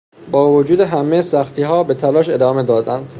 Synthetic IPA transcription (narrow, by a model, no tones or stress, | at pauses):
bɒːvod͡ʒuːd̪e̞ɦæmejesæxt̪ʰiːɦɒːbe̞t̪ʰælɒːʃe̞d̪ɒːme̞d̪ɒːd̪ænd̪̥